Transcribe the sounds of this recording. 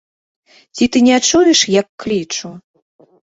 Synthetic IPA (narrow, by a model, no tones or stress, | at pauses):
t͡sʲit̪ɨnʲɛt͡ʂujɛʂjɐkːlʲit͡ʂu